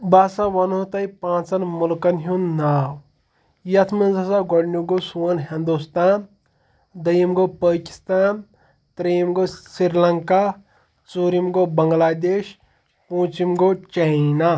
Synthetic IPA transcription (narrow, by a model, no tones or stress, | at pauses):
baːsaʋɐnot̪ɐjpãːt͡sɐnmulkɐnɦunːaːw | jɐt̪ʰmɐnzɐsaːɡɐɽnuɡosuwɐnɦind̪ust̪aːn | d̪ɐjimɡopəːki̥st̪aːn | t̪ɾemɡosiɾlɐŋka | t͡suɾimɡobɐŋɡlaːd̪eːʃ | põːt͡ʃimɡot͡ʃɐna